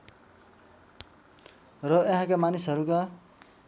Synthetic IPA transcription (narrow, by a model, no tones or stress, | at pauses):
rʌeɦãkamanisɦʌɾuka